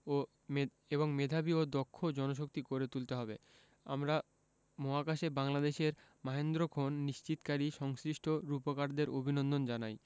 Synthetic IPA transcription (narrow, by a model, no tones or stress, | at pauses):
o | eboŋmed̪ʱabiod̪ɔkʰːod͡ʑɔnoʃ̬ok̚t̪ikoɾet̪ult̪eɦɔbe | a̰mɾa | mɔɦakaʃebaŋlad̪eʃeɾmaɦend̪ɾokʰonːiʃt͡ɕit̪kaɾiʃɔŋsɾiʃʈʰoɾupokaɾd̪eɾʔobʱinond̪ond͡ʑanaj